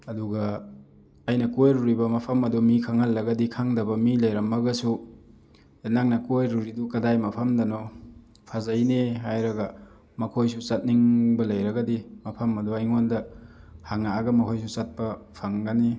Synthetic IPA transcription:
ɐduɡɐː | jnɐkojɾuɾibɐmɐpʰɐmɐdumikʰaŋɐlːɐɡɐdikʰaŋdɐbɐmilɐjɾɐmːɐɡɐsu | enaŋnɐkojɾuɾidukɐdajmɐpʰɐmdɐnɔ | pʰazɐjneɦajɾɐɡɐ | mɐkʰojsusɐt̚niŋbɐlɐjɾɐɡɐdimɐpʰɐmɐduɐjŋondɐhaŋaːɡɐmɐkʰojs̬usat̚pɐpʰaŋɡɐni

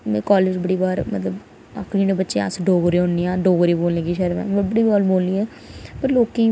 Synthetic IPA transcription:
mɛ̃ːkaːleːd͡ʒbəɽiːbaːɾmə̰t̪ləb | a̰kniːneːbətːʃea̰sɖoːɡɾeːõːniːãːɖoːɡɾiːboːlnẽːkiːʃəɾʋɛ̰̃ːbəbəɽiːbaːlboːlniːɛː | pəɾloːkẽː

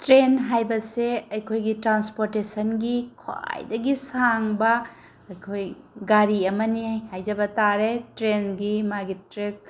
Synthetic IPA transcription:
tɾenɦajbɐseɐjkʰojɡitɾanspoɾtesɐnɡikʰwa̰jdɐɡisaŋbɐ | ɐjkʰoj | ɡaɾiɐmɐnihajd͡ʒɐbɐtaɾetɾenɡimaɡitɾik̚

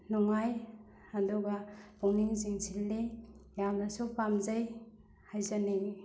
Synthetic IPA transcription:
nɔŋaj | adɔɡab̥ɔŋniŋziŋsʰilːejawnasupamzaj | hajzaneŋ

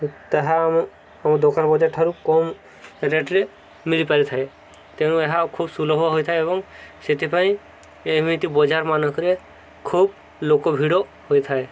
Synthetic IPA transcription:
t̪aɦam | amɔd̪okanbɔd͡ʒaɾt̪ʰaɾukɔm | ɾeʈɾe | milipaɾit̪ʰae | t̪eɽ̃ũeɦakʰubsulɔɦuaɦojt̪ʰaeeβɔŋset̪ʰipaĩ | emit̪ibɔd͡ʒaɾmanɔkʰɾe | kʰub | lokɔbʱiɽɔ | hojt̪ʰae

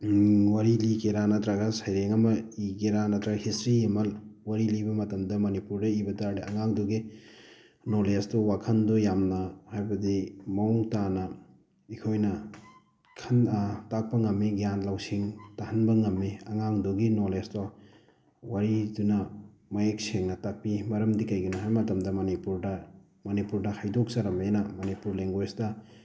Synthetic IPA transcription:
waɾilikeɾanɐt̪ɾaɡɐsajɾeŋɐmɐikeɾanɐdɾaɡɐhistɾiemɐlwaɾilibɐmɐtɐmdɐmɐnipuɾdɐibɐdaɾiɐŋaŋdoɡi | nolestowakʰɐndojamnɐhajbɐdimɐuŋtanɐ | ikʰojnɐ | kʰɐntak̚pɐŋɐmːiɡijanlawsiŋtahɐnbɐŋɐmːiɐŋaŋdoɡinolesto | waɾidunɐ | mɐjek̚seŋnɐtak̚pimɐɾɐmdikɐjɡinɐɦajmɐtɐmdɐmɐnipuɾdɐ | mɐnipuɾdɐhajdok̚saɾɐmenɐmɐnipuɾleŋɡwesdɐ

